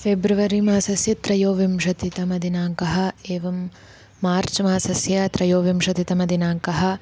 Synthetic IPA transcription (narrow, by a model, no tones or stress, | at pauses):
febɾiʋɐɾimaːsɐsjɐt̪ɾɐjoːʋimʃɐt̪it̪ɐmɐd̪inaːŋkɐɦɐ̆eːʋɐmː | aːɾt͡ʃmaːsɐsjɐt̪ɾɐjoːʋimʃɐt̪it̪ɐmɐd̪inaːŋkɐɦɐ̆